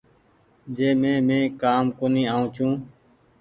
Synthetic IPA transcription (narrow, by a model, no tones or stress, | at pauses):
d͡ʒeːmẽːmẽːkaːmkoːniːaːũːt͡ʃʰũː